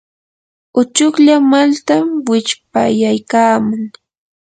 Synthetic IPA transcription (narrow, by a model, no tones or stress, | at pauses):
ʊt͡ʃʊkʎamalt̪amwɪt͡ʃp̚a̰jajkaːmʊŋ